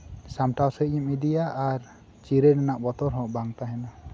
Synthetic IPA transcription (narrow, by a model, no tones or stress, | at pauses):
samʈawsəimid̪ijaʔːɾ | t͡ʃiɾɛnɛnaʔbɔt̪ɔɾɦɔ̃ʔbaŋt̪aɦɛnɔ